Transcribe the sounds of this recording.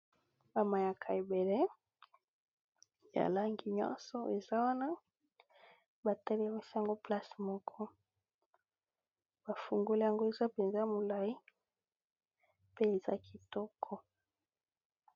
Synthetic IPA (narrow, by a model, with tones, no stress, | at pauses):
ba˨ma˨ja˨kʰa˨e˨be˨le˦ | ja̰˨la˦ŋɡi˨ɲɔ̰̃˦sɔ˨e˨za˦wa˦na˦ | ba˨tɛ˦le˦˨mi˦si˦ja˨ŋɡo˦pla˦smɔ˦kʰɔ˦ | ba˨fu˨ŋɡo˦li˦ja˨ŋɡo˦e˨za˦pe˨nza˦mo˨la˨i˦ | pe˦e˨za˦ki˨tɔ˦kʰɔ˦